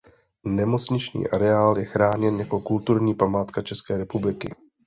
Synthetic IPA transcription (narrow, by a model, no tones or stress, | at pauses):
nɛmo̞t͡sɲɪt͡ʃɲḭːʔaɾɛaːljɛxɾaːɲɛnjako̞kult̪uɾɲiːpamaːt̪kat͡ʃɛskɛːɾɛpublɪkɪ̰